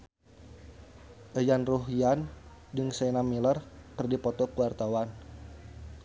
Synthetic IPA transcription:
ʔəjanruɦiandɨŋsanamilərkɨrdipɔt̪ɔkuwart̪awan

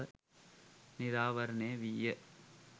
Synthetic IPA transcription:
nɪɾaːʋɐɾɐneːʋijɐ

